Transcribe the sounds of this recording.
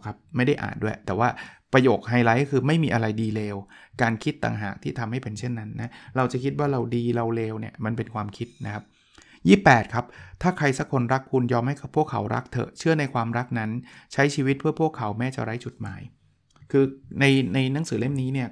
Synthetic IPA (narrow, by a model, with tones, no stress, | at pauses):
kʰa˦˥p̚ma˥˩jda˥˩jʔa̰ː˨˩t̪̚du˥˩əjt̪ɛː˨˩waː˥˩pɾa˧joː˨˩k̚ɦaː˧jlaː˦˥jkɔ˥˩kʰɯː˧ma˥˩jmiː˧ʔa˧ɾa˧jdiː˧leː˧wkaː˧nkʰi˦˥t̪ːa̰ː˨˩ŋɦa̰ː˨˩k̚t̪ʰiː˥˩t̪ʰa˧mha˥˩pe˧nt͡ɕʰe˥˩nːa˦˥nːa˦˥ɾa˧wt͡ɕa˨˩kʰi˦˥t̪̚waː˥˩ɾa˧wdiː˧ɾa˧wleː˧wni˥˩ɐma˧npe˧nkʰwaː˧mkʰi˦˥t̪̚na˦˥kʰa˦˥p̚ | jiː˥˩pːɛː˨˩t̪̚kʰa˦˥p̚t̪ʰaː˥˩kʰɾa˧jsa˦˥kʰːo˧nɾa˦˥kʰːu˧njɔː˧mha˥˩jka˨˩pʰːu˥˩əkʰːa̰˩˦wɾa̰˦˥k̚t̪ʰɤ̰˨˩t͡ɕʰɯ˥˩əna˧jkʰwaː˧mɾa˦˥k̚na˦˥nt͡ɕʰa˦˥jt͡ɕʰiː˧wi˦˥t̪̚pʰɯ˥˩əpʰu˥˩əkʰːa˩˦wmɛː˥˩t͡ɕa̰˨˩ɾa˦˥jt͡ɕu˨˩t̪̚ma̰ː˩˦j | kʰɯː˧na˧jna˧jna˦˥ŋsɯː˩˦le˥˩mniː˦˥ni˥˩ɐ